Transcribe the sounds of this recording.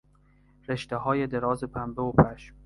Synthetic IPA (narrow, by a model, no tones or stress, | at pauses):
ɾe̞ʃt̪eɦɒːjed̪eɾɒːzepʰæmbeopʰæʃm